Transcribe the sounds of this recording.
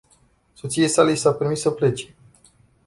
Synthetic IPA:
so̞t̪sijesalejsape̞ɾmisəple̞t͡ʃe̞̥

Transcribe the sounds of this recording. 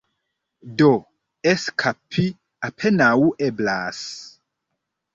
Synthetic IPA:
do | eskʰapʰːi | apʰenauʔɛblas

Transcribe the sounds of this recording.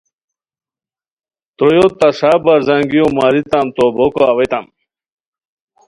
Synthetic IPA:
t̪ojot̪ɐʂabɐɾzɐŋɡijomaɾit̪amt̪obokoawet̪am

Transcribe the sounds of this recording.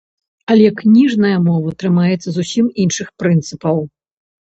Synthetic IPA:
ɐlʲɛknʲiʐnɐjɐmɔvɐt̪ɾɨmajɛt̪sːɐzusʲiminʂɨxpɾɨnt̪sɨpɐw

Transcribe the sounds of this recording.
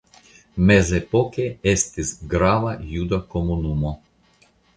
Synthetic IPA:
mɛzɛpokeest̪izɡɾaʋajud̪ɐkomunumɔ

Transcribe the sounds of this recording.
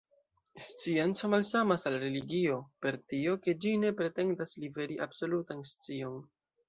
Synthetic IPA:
st͡sient͡so̞malsamasalɾe̞liɡio̞pe̞ɾtio̞ke̞d͡ʒine̞pɾe̞te̞ndaslive̞ɾiʔabso̞lutanst͡sio̞n

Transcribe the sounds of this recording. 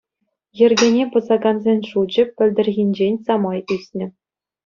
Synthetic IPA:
jɘ̆rʲɡʲenʲepɤ̆zɑɡɑnzʲenʲʂud͡ʑɘ̆ɘ̆lʲd̪ʲɘ̆rʲɣʲinʲd͡ʑenʲsɑmɑjysʲnʲɘ̆

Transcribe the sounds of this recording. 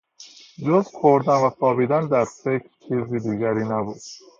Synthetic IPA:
d͡ʒozkʰoɾd̪ænvæsɒːbiːd̪ænd̪æɾfe̞cʰɾt͡ʃʰiːziːd̪iːɟæɾiːnæbuːd̪̥

